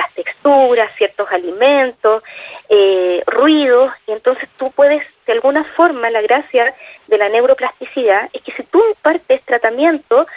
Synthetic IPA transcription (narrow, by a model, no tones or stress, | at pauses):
last̪ekst̪uɾassjeɾt̪o̞saliment̪oserwið̞osient̪o̞nse̞̥st̪upwe̞ðesd̪̥ealɣunafo̞ɾmalaɣɾasjaðe̞lanewɾoplast̪isiðae̞hkesit̪uimpaɾt̪eest̪ɾat̪amje̞nt̪o